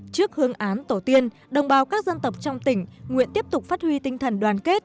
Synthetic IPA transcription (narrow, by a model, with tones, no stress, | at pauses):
t͡ɕɨ˦˥ək̚hɨ˧əŋʔaː˨˦nt̪o˧˩t̪i˧ən | ɗə˨˩wŋ͡mɓaː˨˦wkaː˦˥k̚zə˧nt̪ə˨˩p̚t͡ɕɔ˧wŋ͡mt̪ï˧˩ŋ̟ŋwḭ˧˨ənt̪i˦˥əp̚t̪ʊ˨˩k͡p̚faː˦˥t̚hwi˧t̪ï˧ŋt̪ʰə˨˩nɗwaː˨˩nke˦˥t̚